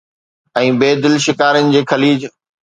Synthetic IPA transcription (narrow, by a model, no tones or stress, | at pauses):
ɛ̃ːbeːd̪ɪlʃɪkaːɾənɪ̆d͡ʑeːkʰɐliːd͡ʑ